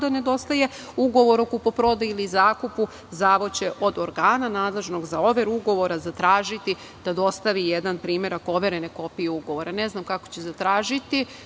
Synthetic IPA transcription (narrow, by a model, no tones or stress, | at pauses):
d̪ane̞d̪o̞st̪aje̞ | uɡo̞ʋo̞ɾokupopɾo̞d̪ailizaːkupu | zaːʋo̞t͡ɕe̞ʔo̞d̪o̞ɾɡaːnanaːd̪lˠe̞ʒno̞ɡzao̞ʋeɾuɡo̞ʋo̞ɾazat̪ɾaːʒit̪i | d̪̥ad̪o̞st̪aʋijed̪anpɾiːme̞ɾako̞ʋe̞ɾe̞neko̞pijeuɡo̞ʋo̞ɾane̞znamkako̥t͡ɕezat̪ɾaːʒit̪i